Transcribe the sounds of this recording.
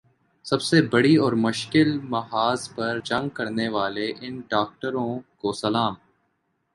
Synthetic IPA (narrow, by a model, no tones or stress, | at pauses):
sɐbsebɐɽiɔːɾmʊʃkɪlmɐɦaːzpɐɾd͡ʒɐ̃ŋɡ̚kɐɾneʋaːleʔɪnɖaːk̚ʈəɾõːkoːsɐlaːm